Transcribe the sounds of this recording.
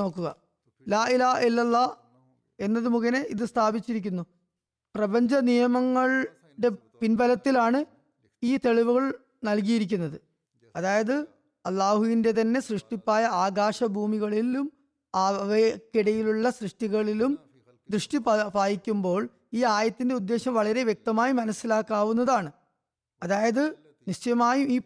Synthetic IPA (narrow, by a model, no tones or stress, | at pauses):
no̞ːkːuɣɐ | laːilaːilːɐlːɐ | e̞nːɐðɨmuɣɐneʔiðɨst̪ʰaːbit͡ɕːiɾikʲːunːu | prɐbɐɲd͡ʑɐnijɐmɐŋːɐɭ | ɖe̞ | pinbɐlɐt̪ːilaːɳɨ | iːt̪e̞ɭiʋuɣɐɭ | nɐlk̬ijiɾik̬ʲːunːɐðɨ | ɐðaːjɐðɨ | ɐlːaːɦuʋinde̞t̪ɐnːe̞srɨʂʈipːaːjɐaːɡaːʂɐbʱuːmiɣɐɭilum | aːʋkiɽɐjiluɭːɐsrɨʂʈiɣɐɭilum | d̪rɨʂʈippaːjikʲːumbo̞ːɭ | iːaːjɐt̪ːinde̞ud̪ːe̞ːɕɐmʋɐɭɐɾe̞ʋjek̚t̪ɐmaːjimɐnɐsːilaːkːaːʋunːɐðaːɳɨ | ɐðaːjɐðɨ | niɕt͡ɕɐjɐmaːjuiː